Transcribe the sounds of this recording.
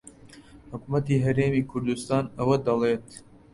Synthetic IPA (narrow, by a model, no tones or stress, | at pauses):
hʊkumɐt̪iːɦɐɾeːmiːkʰuɾd̪ust̪ɑːnɐwɐd̪ɐleːt̪